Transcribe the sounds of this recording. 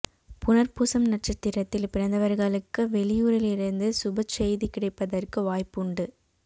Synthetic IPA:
pʊnɐɾpuːsɐmnɐʈt͡ʃɐt̪ːɪɾɐt̪ːɪlpɪɾɐnd̪ɐʋɐɾɣɐɭɯkːɯʋɛɭɪjuːɾɪlɪɾɯnd̪ɯsʊbɐt͡ʃːɛjðikɪɽɐɪpːɐðɐrkɯʋaːjpʊɳɖɯ

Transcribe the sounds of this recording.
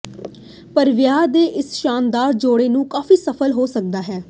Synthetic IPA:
pəɾʋɪjaːd̪eːʔɪsʃaːnd̪aːɾd͡ʒoːɽeːnũːkaːfiːsəpʰəlɦoːsək̚d̪aːɦɛː

